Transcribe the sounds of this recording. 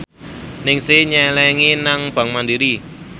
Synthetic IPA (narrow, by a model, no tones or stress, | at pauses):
nɪŋsɪɲɛlɛŋinaŋb̥a̤ŋmandiɾi